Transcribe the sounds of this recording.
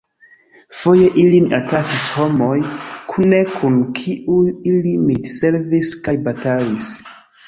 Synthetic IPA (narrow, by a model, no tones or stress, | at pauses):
fo̞je̞ʔilinatɾakisho̞mo̞jkʰune̞kʰunkʰiʔuilimidse̞ɾviskajbatalis